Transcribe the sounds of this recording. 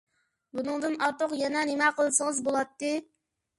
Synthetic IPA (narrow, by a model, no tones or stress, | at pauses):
bunɨŋd̪ɨnɑɾt̪ʊqjɛnɛnemɛqʰəlˠsəŋəzbolˠɑt̪ːɨ